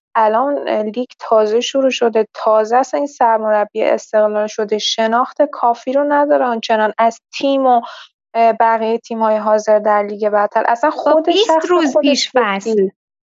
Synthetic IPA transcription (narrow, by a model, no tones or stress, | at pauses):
ʔælɒnliːɡt̪ʰɒːze̞ʃuɾuːʃo̞d̪e̞t̪ʰɒːzeæsæninsæɾmo̞ɾæbːiḛʔḛst̪e̞ɣlɒːlʃo̞d̪eʃe̞nɒːxt̪ʰe̞kʰɒːfiːɾonæd̪ɒːɾeɒnt͡ʃʰe̞nɒːnæz̥t̪ʰiːmo | bæɣijejet̪ʰiːmhɒːjeɦɒːze̞ɾd̪æɾliːɟe̞bæɾt̪ʰælʔæsænxod̪eʃæxeoeʃfil